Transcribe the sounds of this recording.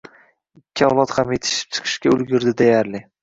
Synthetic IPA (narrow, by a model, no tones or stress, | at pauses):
ɪkʲʰːɪɒwlˠɒt̪hamjet̪ʰɪ̥ʃɪ̥p̚t͡ʃʰɨ̥qʰɨ̥ʃkʲaʊlˠɡʲʊɾd̪ɪd̪ejaɾlɪ